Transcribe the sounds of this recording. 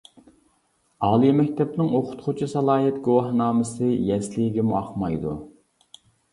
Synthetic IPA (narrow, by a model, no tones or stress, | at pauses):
ɑːlˠimɛkʲt̪ʰɛpnɪŋoqʰʊ̥t̪qʰʊt͡ʃʰisɑlˠɑːɦɛt̪ɡuwɑhnɑːmɨsɨjɛslɪɡʲimuɑχmɑjd̪u